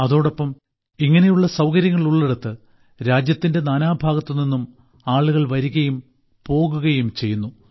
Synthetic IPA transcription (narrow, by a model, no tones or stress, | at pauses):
ɐðo̞ːɽɐpːɐm | iŋːɐne̞juɭːɐsɐwkɐɾjɐŋːɐɭuɭːe̞ɽut̪ːɨ | ɾaːd͡ʑjɐt̪ːinde̞naːnaːbʱaːɣɐt̪ːɨninːum | aːɭuɣɐɭʋɐɾuɣɐjum | po̞ːɣuɣɐjumt͡ɕe̞jːunːu